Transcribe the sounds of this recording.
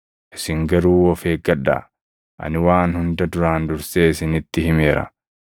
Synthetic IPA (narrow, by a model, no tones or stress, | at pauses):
ʔɪsɪŋɡɐɾuːɔfeːɡɐᶑːa̰ | ʔɐ̰nɪwaːnhʊnd̪ɐd̪ʊɾaːnd̪ʊɾseːɪsɪnɪt̪ːɪhɪme̞ːɾɐ̰